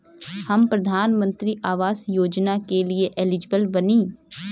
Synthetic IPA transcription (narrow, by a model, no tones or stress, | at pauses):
həmpɾəd̪ʱaːnmə̃nt̪ɾiʔaːʋaːzjoːd͡ʒnakelieʔeːlɪd͡ʒɪbəlbəniː